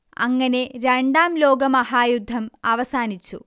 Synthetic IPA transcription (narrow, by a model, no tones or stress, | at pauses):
ɐ̰ŋːɐne̞ɾeɳɖaːmlo̞ːɡɐmɐhaːjud̪ʱːɐmɐʋɐsaːnit͡ɕːṵ